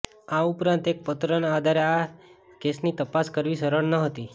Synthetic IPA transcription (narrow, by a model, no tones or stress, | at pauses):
ãupɾãnt̪ek̚pət̪ɾənaːd̪ʱaɾea | kesnit̪əpaskəɾʋisəɾəɽnəɦət̪i